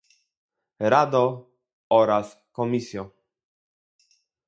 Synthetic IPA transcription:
ɾad̪ɔ | ɔɾas | kɔmisjɔ

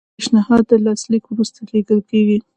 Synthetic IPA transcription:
ʃnɪhɑd̪ːəlɑslikwɾust̪aleɡəlkeɡi

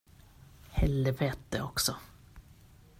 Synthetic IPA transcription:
hɛlːəveːt̪̚d̪ɛ̰ɔksɔ

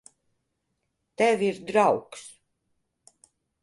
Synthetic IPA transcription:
t̪ɛvʲiɾd̪ɾawks

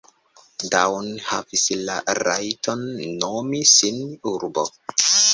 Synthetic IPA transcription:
dawnhavislaɾajtʰonːomisinuɾbo̰

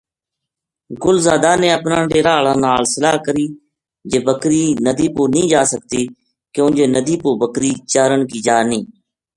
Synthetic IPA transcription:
ɡʊlzaːd̪aːnẽːəpnãːɖeːɾaːlãːnaːlsəlaːɦkəɾiː | d͡ʒeːbəkɾiːnəd̪iːpoːnĩːd͡ʒaːsək̚t̪iː | kõːnd͡ʒeːnəd̪iːpoːbəkɾiːt͡ʃaːɾəɳkiːd͡ʒaːniː

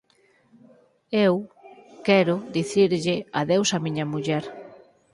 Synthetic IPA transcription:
ewkɛɾʊðiθiɾʎɪɐðewsɐmiɲɐmuʎɛɾ

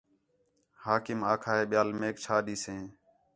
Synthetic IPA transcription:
haːkɪmaːkʰaːɦeːɓɪjaːlmeːkt͡ʃʰaːɗiːsẽː

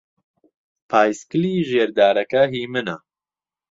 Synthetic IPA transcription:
pʰaːjskɨliːʒeːɾd̪aːɾɛkɐɦiːmɨna

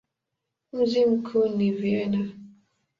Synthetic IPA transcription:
m̩zim̩kʰunivjɛna

